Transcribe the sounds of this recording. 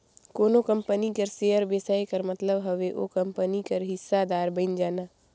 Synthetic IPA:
koːnokə̃mpənikɐɾseːəɾbeːsaːekəɾmɐt̪ləbɦɐʋeʔo̰ːkɐ̃mpənikɐɾɦɪsːad̪aːɾbə̃ɪnd͡ʒaːnaː

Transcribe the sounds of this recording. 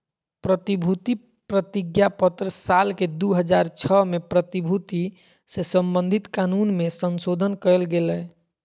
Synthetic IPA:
pɾət̪ibʱut̪i | pɾət̪iɡjapət̪ɾəsalked̪uɦəd͡ʒaɾt͡ʃʰɔmepɾət̪ibʱut̪i | sesəmbənd̪ʱit̪kanunmesənsod̪ʱənkəlɡelɛ

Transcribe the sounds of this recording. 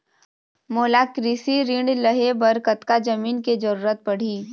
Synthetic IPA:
moːlakɾisiɾɪ̃ɳɖləɦebɐɾkət̪kad͡ʒɐmiːnked͡ʒɐɾuːɾət̪̚pɐɽ̤iː

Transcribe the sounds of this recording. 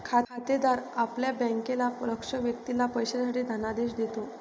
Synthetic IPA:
kʰaat̪ed̪aɾapljabɛ̃ŋkelaləkʂəʋjək̚t̪ilapəjɕesaʈiːd̪ʱanad̪eɕd̪et̪o

